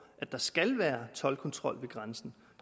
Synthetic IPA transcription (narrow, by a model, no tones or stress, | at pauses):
ʔæd̥ɑ̈sɡ̥ælʋæːɐt͡sʰɒ̽lkʰɒ̽nt͡sʰʁɒ̽l̰ʋe̝ɡ̥ʁansn̩̥